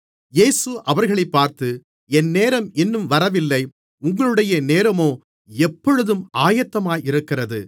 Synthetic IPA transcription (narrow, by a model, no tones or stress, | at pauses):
jeːsɯʔɐʋɐɾɣɐɭɐɪpːaːɾt̪ɯ | ɛnːeːɾɐmɛnːɯmʋɐɾɐʋɪlːɐɪ | ʊŋɡɐɭɯɽɐjɐneːɾɐmoː | ɛpːɔɻɯðɯmʔaːjɐt̪ːɐmaːjɪɾɯkːɪrɐðɯ